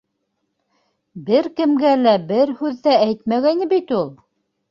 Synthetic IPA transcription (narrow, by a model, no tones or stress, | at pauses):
bɘɾkɘ̆mɡælæbɘɾhʉðːææjt̪mæɣænɘ̆bit̪ulˠ